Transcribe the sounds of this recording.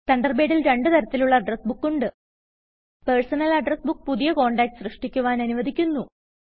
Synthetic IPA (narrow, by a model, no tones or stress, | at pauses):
t̪ɐɳɖɐrbeːɽilɾe̞ɳɖɨt̪ɐɾɐt̪ːiluɭːɐːɖrɐsbukːuɳɖɨ | pe̞rsɐnɐlɐɖrɐsbukːpuðijɐko̞ːɳɖaːk̚ʈsrɨʂʈikʲːuʋaːnɐnuʋɐd̪ʱikʲːunːu